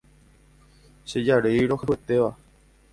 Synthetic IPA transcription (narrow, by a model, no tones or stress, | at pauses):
ʃe̞d͡ʒaɾejɾo̞hewet̪e̞ʋa